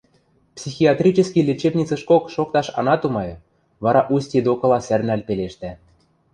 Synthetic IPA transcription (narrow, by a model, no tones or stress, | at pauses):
psʲixiɑt̪rʲit͡ɕɘ̆skʲilʲit͡ɕebnʲit͡sɤ̆ʃkokʃok̚t̪ɑʃɑ̰nɑt̪umɑjɤ̆ | βɑɾɑʔusʲtʲid̪okɤ̆lɑsærnælpeleʃt̪æ